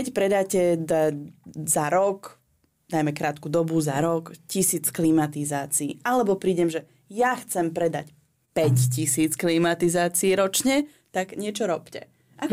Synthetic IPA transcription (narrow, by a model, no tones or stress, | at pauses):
kɛcpɾɛd̪aːcɛd̪azaɾɔk | najmɛkɾaːt̪kud̪ɔbuzaɾɔkcisiːt͡sklimat̪izaːt͡sḭːʔalɛbɔpɾiːɟɛmʒɛ | jaxt͡sɛmpɾɛd̪a̰c | pɛccisiːt͡sklimat̪izaːt͡siːɾɔt͡ʃɲɛ | t̪aɡɲɪɛt͡ʃɔɾɔpcɛ | ʔa